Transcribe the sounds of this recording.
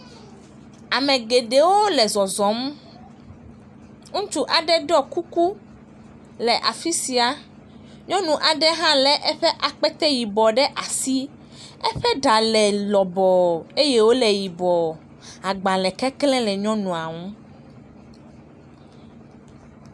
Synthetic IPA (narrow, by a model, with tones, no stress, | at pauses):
a˨mɛ̃˨ɡe˨ɖe˨wo˦lɛ˨zɔ˨zɔ̃˨˦m | ŋũ˦t͡ʃu˦ʔa˨ɖɛ˦ɖɔ˦ku˦ku˦ | lɛ˨ʔa˨fi˦si˨a˨ | ɲɔ̃˦nũ˨ʔa˨ɖɛ˦ɦã˦lɛ˨ʔɛ˦ɸɛ˦ʔa˨k͡pɛ˦t̪ɛ˦ji˨bɔ˨ɖɛ˦ʔa˨si˦ | ɛ˦ɸɛ˦ɖa˨lɛ˨lɔ˨bɔ˨e˦jɛ˦wo˦lɛ˨ji˨bɔ˨ | a˨ɡ͡ba˨lɛ˨kɛ˦klɛ̃˦lɛ˨ɲɔ̃˦nũ˨a˨ŋũ˦